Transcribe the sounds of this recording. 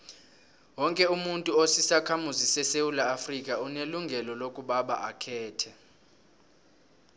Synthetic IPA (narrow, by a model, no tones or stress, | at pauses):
wɔŋkʼɛumuntʼuosisakʰamuzisɛsewulaːfrikʼauneluŋɡʱɛlɔlokʼuɓaɓa̰ʔakʰɛːtʰɛ